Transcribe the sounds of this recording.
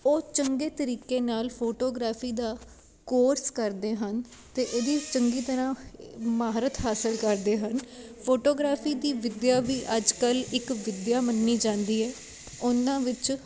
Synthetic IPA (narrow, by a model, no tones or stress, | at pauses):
oːt͡ʃəŋɡeːt̪əɾiːkeːnaːlpʰoːʈoːɡɾaːpʰiːd̪aː | koːɾskəɾd̪eːɦən | t̪eːʔeːd̪iːt͡ʃəŋɡiːt̪əɾãːmaːɾət̪ɦaːsəlkəɾd̪eːɦənpʰoːʈoːɡɾaːpʰiːd̪iːʋɪd̪jaːʋiːʔəd͡ʒkəlɪkʋɪd̪jaːmənːiːd͡ʒãːnd̪iːɛː | ʊnãːʋɪt͡ʃ